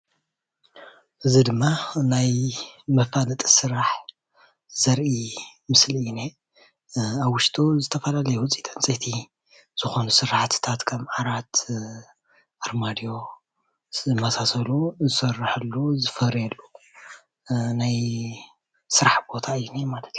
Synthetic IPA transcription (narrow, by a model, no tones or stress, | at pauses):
ʔɨzid̪ɨmːanajmɐfanɐt̪ʼisɨɾaħ | z̥ɐɾʔimɨsline | aβːʊʃt̪ʰʼuzɨt̪ʰɐfɐlalɐjɛwʊt͡sʼit̪ʰʼɐnt͡sʼet̪ʰi | z̥ɨxo̞nusɨɾħt̪t̪ʰat̪kʰɐmʕaɾat̪ | ʔaɾmad̪ijo̞ | ɨmːasasɐluzɨsɐrːɨħɨlːuzɨfɐhɾelːu | naj | sɨɾaħbo̞t̪ʰaɨjunemalɐt̪